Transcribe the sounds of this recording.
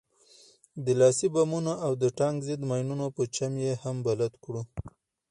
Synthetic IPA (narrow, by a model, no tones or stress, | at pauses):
d̪əlɑsibamunaʔawd̪əʈɑŋɡzɪd̪mɑjnunopət͡ʃamjehambalat̪kɽu